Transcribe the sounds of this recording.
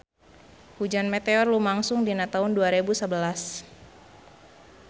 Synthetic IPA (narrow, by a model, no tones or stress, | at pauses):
hud͡ʒanmet̪eɔrlumaŋsʊŋdinat̪aunduaɾebusəbəlas